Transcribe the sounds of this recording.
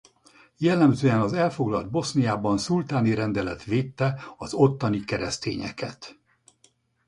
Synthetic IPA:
jɛlːɛmzøːɛnɒzɛlfo̞ɡlɒld̪̚bo̞snijaːbɒnsult̪aːniɾɛnd̪ɛlɛt̪ʋeːt̪ːɛɒzo̞t̪ːɒnikɛɾɛst̪ḛːɲɛ̰kɛ̰t̪

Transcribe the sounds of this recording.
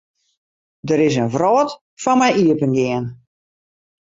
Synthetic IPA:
dəɾɪs̬ənvrɔːt | fɔnmɛjʔiəpənɡɪən

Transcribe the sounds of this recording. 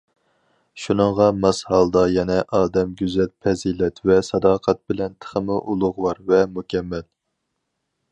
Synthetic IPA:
ʃunɨŋʁɑmɑshɑlˠd̪ɑjɛnɛʔɑːd̪ɛmɡʲyzɛl̚pʰɛzilɛt̪vɛsɑd̪ɑːqʰɑt̪̚bɪlɛnt̪ʰə̥χəmɨʔulˠʊʁwɑɾvɛmukʲɛmːɛl

